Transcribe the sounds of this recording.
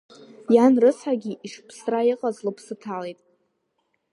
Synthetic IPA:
janrɨsħaɡʲiʔiʂpʰsraiɪqʼazlɨpʰsɨtʰalejtʼ

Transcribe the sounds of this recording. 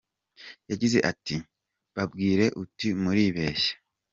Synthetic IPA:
jaɟize̞̰ʔati | βabɡiːɾe̞ʔutimuɾiβe̞ːʃḁ

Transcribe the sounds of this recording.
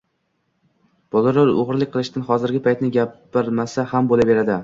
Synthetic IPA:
b̥ɒlˠɾaɾoʁɾlˠɪk̚ʲqʰɨlˠɪʃt̪anχɒzɪɾɡʲɪpʰajt̪nɪɡʲapː | ɪɾmasahambolabe̞ɾad̪ɪ

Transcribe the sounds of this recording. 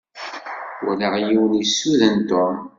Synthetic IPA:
wæ̰ləʁjiwənisːuðənt̪o

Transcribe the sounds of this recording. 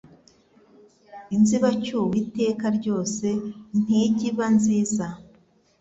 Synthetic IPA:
inziβacuwite̞ːkaɾɟo̞ːse̞n̥iːɟiβanziːza

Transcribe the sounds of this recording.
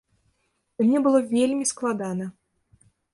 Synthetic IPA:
imnʲɛbɨlˠɔvʲelʲmʲisklˠad̪anɐ

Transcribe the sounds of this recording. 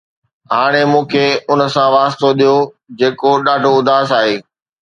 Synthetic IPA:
ɦaːɽ̃emũːkʰeʊnəsãʋaːst̪oɗijo | d͡ʑeːkoɗaːɖʱoʊd̪ʱaːsaːɦeː

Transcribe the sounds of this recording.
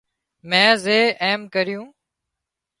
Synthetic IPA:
mɛ̃ːzeːʔeːmkəɾɪjũː

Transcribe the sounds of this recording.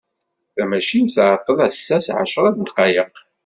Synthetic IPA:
θæmæʃinθʕət̪ˤːənæsːæsʕa̰ʃɾˤɑd̪nt̪qɑjəq

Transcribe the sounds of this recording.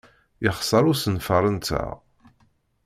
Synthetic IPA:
jəχsˤəɾˤʊsənfəɾˤənt̪æ̰ʁ

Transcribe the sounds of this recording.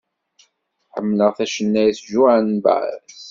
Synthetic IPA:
ħəmːləʁθæʃənːæjθʒuʕanba̰ʕ̰s

